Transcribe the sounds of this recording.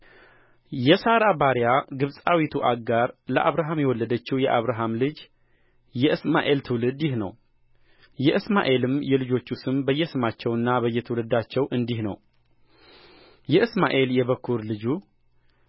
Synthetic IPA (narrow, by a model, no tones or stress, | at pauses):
jɛsaɾabaɾjaɡɨβsʼawit̪ʰuʔaɡːaɾləʔaβɾaɦamjɛwɔlːəd̪ət͡ʃːiwjɛʔaβɾaɦamlɨd͡ʒ | jɛʔɨsmaʔe̞lt̪ʰɨwlɨd̪jɪhnə̰w | jɛʔɨsmaʔe̞lɨmjɛlɨd͡ʒo̞t͡ʃːusɨmbəjːɛsɨmat͡ʃːɛwɨnːabəjːɛt̪ʰəwlɨd̪at͡ʃːɛwʔɨnd̪ihnə̰w | jɛʔɨsmaʔe̞ljɛβəkʰːuɾlɨd͡ʒu